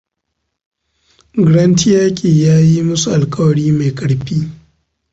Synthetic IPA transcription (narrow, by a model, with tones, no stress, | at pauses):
ɡɽɐ˦ntɪ˦jaː˦kʲʼeː˨jaː˦ji˦mʊ˦su˨ʔa˨lkʼɐ˦wɐ˨ɽiː˦ma˨jkʼɐ˨ɽɸiː˦